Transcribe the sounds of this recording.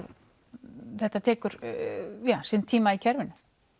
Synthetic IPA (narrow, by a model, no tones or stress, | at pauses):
ð | θɛht̪ːat̪ʰɛːkʏɾjaːsɪnt̪ʰiːmaicʰɛɾvɪnʏ